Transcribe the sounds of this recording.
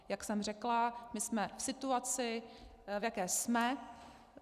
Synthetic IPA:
jaksɛmrɛklamɪsmɛfsɪt̪uat͡sɪvjakɛːsmɛ

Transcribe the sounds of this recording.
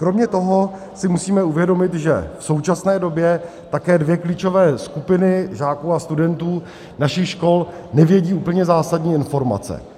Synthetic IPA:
kɾo̞mɲɛt̪o̞ɦo̞ | sɪmusiːmɛuvjɛdo̞mɪt̪ʒɛ̰fso̞wt͡ʃasnɛːdo̞bjɛ | t̪akɛːdvjɛkliːt͡ʃo̞vɛːskupɪnɪʒaːkuːast̪udɛnt̪uː | naʃɪxʃko̞l | nɛvjɛɟiːuːpl̩ɲɛzaːsadɲiːɪnfo̞ɾma̰t͡sɛ̰

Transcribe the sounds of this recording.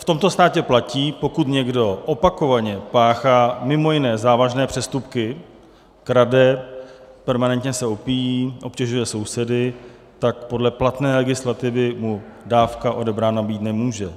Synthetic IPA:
ft̪o̞mt̪o̞st̪aːcɛplaciːpo̞kut̪ɲɛɡdo̞ʔopako̞vaɲɛpaːxaːmɪmo̞jɪnɛːzaːvaʒnɛːpr̝̥ɛst̪upkɪ | kɾadɛ | pɛɾmanɛnt̪ɲɛsɛopijiːʔo̞pcɛʒujɛso̞wsɛdɪ | t̪akpo̞dlɛplat̪nɛːlɛɡɪslat̪ɪvɪmudaːfkaʔo̞dɛbɾaːnabiːt̪nɛmuːʒɛ

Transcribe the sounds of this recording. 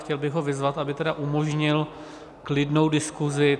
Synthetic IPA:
xcɛlbɪɣɦo̞vɪzvat̪ʔabɪt̪ɛdaʔumoʒɲɪl | klɪdnowdɪskuzɪ

